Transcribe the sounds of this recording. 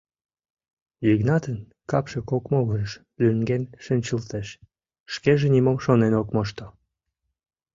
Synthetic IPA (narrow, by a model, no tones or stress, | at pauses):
jiɡnɑt̪ən | kɑpʃekokmoɣəʒʃ | lyŋɡenʃənʲt͡ɕəlt̪eʃ | ʃkeʒenimomʃonenokmoʃt̪o